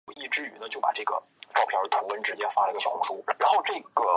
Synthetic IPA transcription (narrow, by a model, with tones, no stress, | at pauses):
i˥˩ʈ͡ʂɻ̩˥y˧˥nə˧t͡ɕjo˥˩pa̰˨˩ʈ͡ʂɤ˥˩ɡə̰˩ | ʈ͡ʂɑ˥˧ʊpʰjɑ˞˥˧˥t̪ʰu˧˥wə˧˥nʈ͡ʂɻ̩˧˥t͡ɕjɛ˥˧˩fa˥lə˨i˧˥ɡə˩ɕɑ˨˩ʊxʊ˧˥ʂu˥˩ɻa˧ɻa˧˥nxo˥˧ʊʈ͡ʂɤ˥˩ɡ̥ə˩